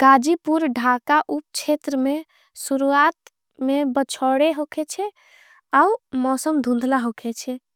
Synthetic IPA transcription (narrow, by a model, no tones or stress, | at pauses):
ɡad͡ʒipuɾɖʱakaʔup̚t͡ʃʰet̪ɾəme | suɾuat̪ | mebət͡ʃʰɔɽeɦokʰɛt͡ʃʰɛ | aumɔsəmd̪ʱũnd̪ʱlaɦokʰɛt͡ʃʰɛ